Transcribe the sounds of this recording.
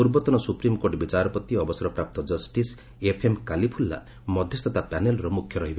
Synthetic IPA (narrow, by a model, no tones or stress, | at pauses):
puɾbɔt̪ɔnɔsupɾimkoɾʈbit͡ʃaɾɔpɔt̪iɔbɔsɔɾɔpɾap̚t̪ɔd͡ʒɔsʈis | epʰemkalipʰulːa̰ | mɔd̪ʱjɔst̪ʰɔt̪apanelɔɾɔmukʰjɔɾɔɦibe